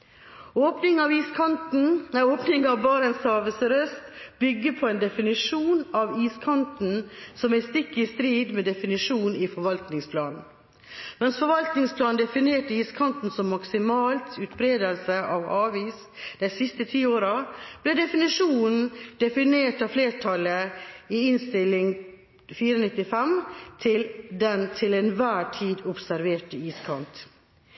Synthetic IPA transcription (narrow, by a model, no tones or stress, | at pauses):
oːpnɪŋɑʋiːskʰɑnt̪n̩æoːpnɪŋɑʋbɑːɾənsɑːʋəsəɾœst̪b̥ʏɡːəpʰɔɛnd̪ɛfɪnɪʂuːnɑʋiːskʰɑnt̪n̩sɔmæɪst̪ɪkːɪst̪ɾiːd̪meːd̪ɛfɪnɪʂuːnifɔɾʋɑlt̪nɪŋspʰlɑːnn̩ | mɛnsfɔɾʋɑlt̪nɪŋspʰlɑːnd̪ɛfɪneːʈəiːskʰɑnt̪n̩sɔmːɑksɪmɑːlt̪ʉːt̪bɾeːd̪əlsəʔɑʋɑːʋiːs | d̪̥æɪsɪst̪ət̪ʰiːoːɾɑb̥lɛɖɛfɪnɪʂuːnn̩d̪̥ɛfɪneːʈɑːfleːʈʰɑləiɪnst̪ɪlɪŋ | fiːɾənɪt̪ːɪfɛmt̪ʰɪld̪ɛnt̪ʰɪlɛnʋæːʈʰiːd̪ʊpsæɾʋeːʈəiːskʰɑnt̪